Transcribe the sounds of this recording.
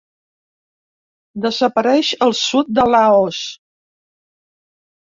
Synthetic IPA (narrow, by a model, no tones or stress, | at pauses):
d̪əzəpəɾɛʃəlˠsut̪̚d̪əlaos